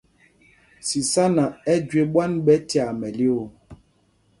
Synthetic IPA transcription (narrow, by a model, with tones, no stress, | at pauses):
si˨sa˦na˨ɛ˦d͡ʒwe˨ɓwa˦nɓɛ˦ti˨a˨mɛ˨le˦o˨